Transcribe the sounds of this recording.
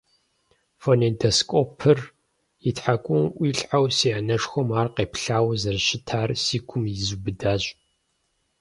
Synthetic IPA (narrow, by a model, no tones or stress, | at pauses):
fonedɐskʷʼɔpʰɨr | jitħakʷʼʊmʔʷiːɬʼʕawsianɐʂxʷɔmaːrqeːpɬaːwɐzɐrʃɪtʰaːrsiːkʷʰʊmjizubɨdaːɕʼ